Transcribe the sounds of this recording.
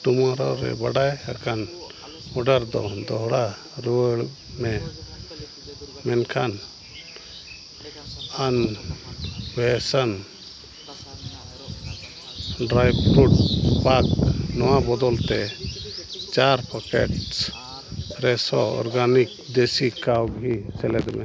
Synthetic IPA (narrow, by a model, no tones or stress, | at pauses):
ʈumaɾɔɾɛ̰baɽajakan | ɔɖaɾd̪ɔ̰d̪ɔɦɽa | ɾuəɭ | mɛ | mɛnkʰan | an | bɛsan | ɖɾajbɾuʈpaknɔwabɔd̪ɔlt̪ɛ | t͡ʃaɾpʰɔkɛ̰ʈs | ɾɛsɔɔ̰ɾɡanik̚d̪esikawɡɦisɛlɛd̪ɾmɛ